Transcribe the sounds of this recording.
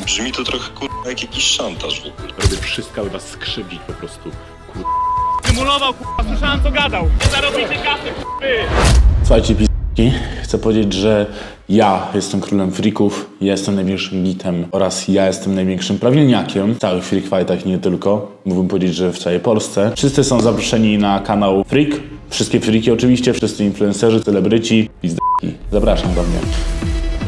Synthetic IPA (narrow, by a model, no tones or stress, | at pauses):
bʐmʲit̪ɔt̪ɾɔxɛkuɾɛjakjakʲiɕʂant̪aʐpɾɔbʲɛfʂɘst̪̚kabɛbasːkʂɘbd͡ʑit͡ɕpɔpɾɔst̪u | kuɛmulɔvawkaɛʐant̪ɔɡad̪awɲɛzaɾɔbʲit̪ɛɡafɪkbɘsuxajt͡ɕɛpʲizt̪kʲixt̪sɛpɔvʲjed͡ʑed͡ʑʐɛ | jajɛst̪ɛmkɾulɛmfɾʲikuf | jajɛst̪ɛmnajvjẽŋkʂɘmɡʲit̪ʰɛmʔɔɾasjajɛst̪ɛmnajvʲeŋkʂɘmpɾavʲilɲakʲʰɛmftsawɘxfɾʲikfajt̪axɲɛt̪ɘlkɔmuɡbɘmpɔvʲed͡ʑed͡ʑʐɛft̪sawɛjpɔlst̪sɛfʂɘst̪sɘsɔ̃w̃zapɾɔʂɛɲinakanawfɾʲikfʂɘst̪kʲɛfɾʲikʲiɔt͡ʂɘvʲiɕt͡ɕɛfʂɘst̪sɨinfluɛ̃nsɛʐɘt̪sɛlɛbɾɘt͡ɕipʲizd̪ɔkʲḭzapɾaʂamd̪ɔmɲɛ̰